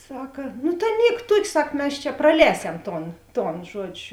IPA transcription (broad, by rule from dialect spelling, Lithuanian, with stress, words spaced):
ˈsɑːkɐ noː tɐɪ ˈnʲiɛk ˈtuɔkʲ ˈsɐk ˈmʲɛs t͡ʃʲɛ prɐˈlʲɛːsʲɛm ˈtoːn ˈtoːn ˈʒuɔd͡ʒʲʊ